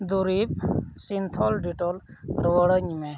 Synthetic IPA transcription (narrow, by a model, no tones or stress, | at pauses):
d̪uɾip̚sint̪ʰɔlɖiʈɔlɾʋəɽəɲme